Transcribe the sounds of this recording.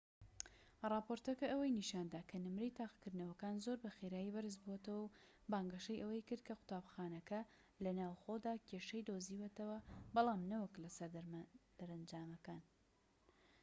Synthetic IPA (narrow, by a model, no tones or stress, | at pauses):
rˤɑːpoɾt̪ɐkɐʔɐwɐjniʃaːnd̪aːkʰɐnɨmɾejt̪aːqkɨɾd̪nɐwɐkaːnzoɾbɐxeɾaːjibɐɾɨzbuɐt̪ɐwɐw | baːŋɡɐʃɐjʔɐwɐjkɨɾd̪̚kʰɐqʊ̥t̪aːbxaːnɐkɐ | lɐnaːwxod̪aːkʰeʃɐjd̪oziːwet̪ɐwɐbɑlˠɑːmnɐwɐklɐsɐɾd̪d̪̥ɐɾɐnd͡ʒaːmɐkaːn